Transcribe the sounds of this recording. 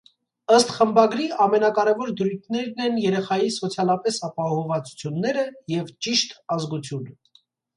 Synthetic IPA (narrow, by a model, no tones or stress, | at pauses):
əst̪χəmbɑɡɾiɑmɛnɑkɑɾɛvɔɾd̪ɾujt̪ʰnɛɾnɛnjɛɾɛχɑjisɔt͡sʰjɑlɑpɛsɑpɑhɔvɑt͡su̥t͡sʰjunːɛɾəjɛvt͡ʃiʃt̪ɑzɡut͡sʰjunə